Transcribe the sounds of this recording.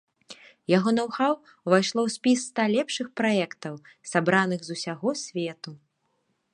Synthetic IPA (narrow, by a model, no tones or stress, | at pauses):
jaɣɔnawxaw | vajʂlˠɔwsʲpʲisːt̪alʲɛpʂɨxpɾajɛkt̪ɐw | sabɾanɨɣzusʲaɣɔsʲvʲɛt̪u